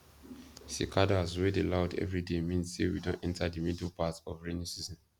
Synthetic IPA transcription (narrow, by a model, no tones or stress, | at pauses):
sḭkʰadazwedelaʊdɛ̰vɹidemĩnssewḭdõntɛ̃ntʰadəmidlpatɔvɹenjosizɔ̃n